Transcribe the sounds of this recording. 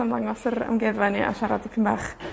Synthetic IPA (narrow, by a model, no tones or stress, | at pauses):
amlˠaŋɔsəɾa̰mɡɛvaniʔa̰ʃaɾadikʰənbaːχ